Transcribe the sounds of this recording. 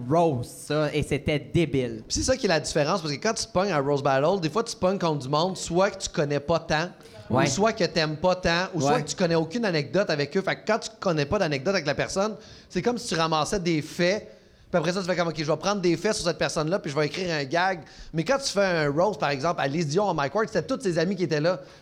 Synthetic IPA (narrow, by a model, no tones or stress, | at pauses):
ɹossɔeset̪ɛd̪ebɪlpi̥sesʌkʲjɛlad̪ifeʁɑ̃spasəkəkɑ̃t̪y̥t̪pɔɲaʁozbaɾɔld̪eːfwat̪y̥pɔŋkɔ̃t̪̚d̪ymɔ̃d̪swakə̥t̪y̥kɔnɛpʌt̪ã | wuswakət̪ɛmpɔt̪ɑ̃uswakət̪y̥kɔnɛokʲynanɛk̚d̪ɔt̪avɛkøfakːɑ̃t̪y̥kɔnɛpʌd̪anɛɡ̚d̪ɔt̪avɛk̬lapɛʁsɔn | sekɔmsi̥t̪yʁamɑːsɛd̪efɛ | piapʁɛs̬ʌt̪y̥fɛkɔmokʲeʒəvʌpʁɑ̃d̪ʁd̪efɛsyʁsɛt̪̚pɛʁsɔnlʌpiʒəvʌekʁiːʁœ̃ɡʲaɡmɛkɑ̃t̪y̥fɛə̃ɹɔʊzpaʁɛɡzɑ̃plalizjɔ̃ãmajkwaɹk̪set̪ɛt̪ʊt̪sezamikʲiet̪ɛlʌ